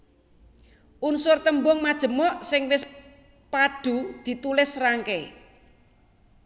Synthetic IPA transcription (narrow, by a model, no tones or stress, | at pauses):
ʔunsʊrt̪əmbʊŋmad̥ʒ̥ə̤mɔʔsɪŋwɪs | pad̥ṳd̪̥i̤t̪ulɪsraŋke